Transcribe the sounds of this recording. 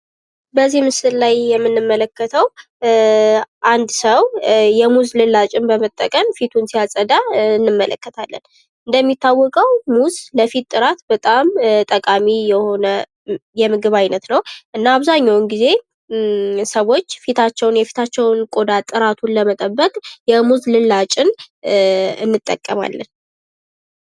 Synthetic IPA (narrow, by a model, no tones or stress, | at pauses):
bəzimɨsɨllajjɛmːɨnːɨmːələkːət̪ʰəw | ʔand̪səwjɛmuzlɨlːat͡ʃʼɪmbəmət̪ʼːə̰kʼəmfit̪ʰunsijasʼəd̪aɨnːɨmːələ̰kːət̪ʰalːə̰n | ɨnd̪əmːit̪ʰːawːɔkʼəwmuzləfit̪ʼːɨɾat̪bət̪ʼamt̪ʼəkʼamijɛho̞nə | jɛmɨɡɨβajnət̪nəwʔɨnːaːβzaɲːawnɡize̞ | səwo̞t͡ʃːfit̪ʰat͡ʃːɛwnjɛfi̥t̪ʰat͡ʃːɛwnkʼo̞d̪at̪ʼɨɾat̪ʰunləmət̪ʼəbːəkʼjɛmuzlɨlat͡ʃʼɪn | ɨnːɨt̪ʼːə̰kʼːəma̰lːə̰n